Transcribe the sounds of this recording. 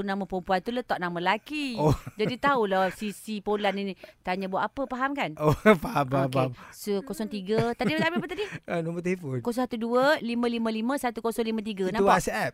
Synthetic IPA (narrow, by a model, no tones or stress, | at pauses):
unaməpumpuant̪ulət̪ɔʔnaməlakiod͡ʒadit̪aulasisipolaninit̪aɲãbuaʔapəpaɦamkanopaɦampaamsukosɔŋt̪iɡət̪adiabiapət̪adiənomət̪aifonkosɔ̃sat̪uduəlimə̃limə̃limə̃sat̪ukosɔŋlimə̃t̪̬iɡanãasɛp̚